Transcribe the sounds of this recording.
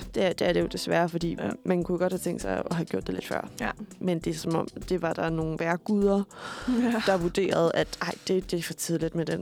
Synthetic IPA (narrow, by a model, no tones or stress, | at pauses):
d̥ed̥eæɐɾ̥e̝jo̝d̥e̝sʋæːɐfɒ̽d̥ḭːmænkʰujoɡ̥ɒ̽d̥hæt͡sʰeŋ̰ɡ̥sɑ̈ɪɒ̽ɦæɡ̥jo̰d̥e̝le̝d̥fɶ̰ɐ̰mend̥e̝sɒmɒ̽m̰d̥e̝ʋɑ̈d̥ɑ̈no̝ːn̩ʋæɐ̰ɡ̥uð̞ˠɐ | d̥ɑ̈ʋud̥e̝̰ːɐð̞̩ˠæd̥ʔɑ̈ɪ̰d̥e̝d̥e̝fɒ̽t͡sʰiðˠlid̥med̥en